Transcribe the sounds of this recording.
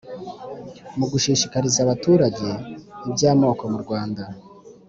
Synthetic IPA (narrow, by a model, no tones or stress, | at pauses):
muɡuʃiːʃikaɾizaβatuːɾaɟe̞ibɟaːmo̞ːko̞muɾɡwaːnda